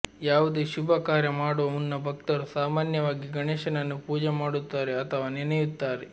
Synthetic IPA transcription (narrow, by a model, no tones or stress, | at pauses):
jaːʋud̪eːʃubʱɐkaːɾjɐmaːɽuʋɐunːɐbʱɐk̚t̪ɐɾusaːmaːnjɐʋaːɡiɡɐɳeːʃɐnɐnːupuːd͡ʒemaːɽut̪ːaːɾeɐt̪ʰɐʋaːninɐjut̪ːaːɾe